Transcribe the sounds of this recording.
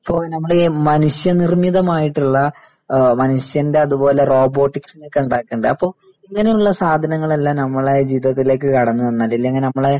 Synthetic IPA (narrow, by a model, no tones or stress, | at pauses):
ɐpːo̞ːnɐmːɐɭemɐnuʂjɐnirmiðɐmaːjiʈːuɭːɐ | mɐnuʂjɐnde̞ɐðubo̞ːle̞ro̞ːbo̞ːʈːiksinekːuɳɖaːkːeːɳɖɨɐpːo̞ːɭ | iŋːɐne̞juɭːɐsaːd̪ʱɐnɐŋːɐɭɐlːaːnɐmːɐɭed͡ʑiːtɐt̪ːile̞ːk̬ːɨkɐɽɐnːɨɐnːɐlːilːɐɐŋːɐnenɐmːɐɭe